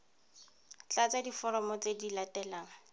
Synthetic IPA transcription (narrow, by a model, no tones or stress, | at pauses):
t͡ɬat͡sadifɔɾɔmɔt͡sedilatɛlaːŋ̩